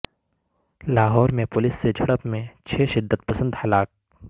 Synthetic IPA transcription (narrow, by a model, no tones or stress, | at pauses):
laːɦɔːɾmẽpʊlɪsːed͡ʒʱɐɽəpmẽt͡ʃʰeːʃɪd̪ːət̪̚pəsə̃nd̪hɐlaːk̚